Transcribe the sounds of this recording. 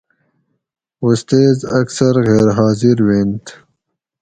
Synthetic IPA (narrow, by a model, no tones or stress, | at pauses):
ust̪eːzɐksɐɾɣeːɾɦɑːziɾweːnt̪